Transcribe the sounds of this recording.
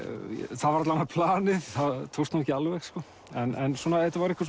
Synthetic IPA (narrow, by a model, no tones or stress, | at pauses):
θaðvaɾat̪laanaɾpʰlaːnɪðθaðt̪ʰowst̪umɛcɪalvɛxskɔː | ɛnɛnsɔnaɛt̪avaɾɛkvas̬